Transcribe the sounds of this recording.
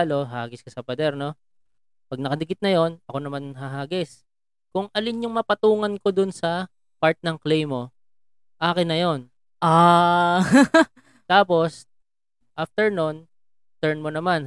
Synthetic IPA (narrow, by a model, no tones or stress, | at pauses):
lo̞ɦaːɡɪskɐsɐpɐd̪ɛɾno̞ | pɐɡ̚nɐkɐd̪ɪkɪt̪̚nɐjo̞nɐko̞nɐmanɦɐɦaːɡɪs | kʊŋɐlɪnɲʊŋmɐpɐt̪uːŋɐnko̞d̪ʊnsɐ | paɹt̪̚nɐŋklejmo̞ | ʔaːkɪnːɐjo̞n | ʔa | t̪aːpo̞s | ʔaft̪ɛɹnon | t̪ɛɹnmonɐman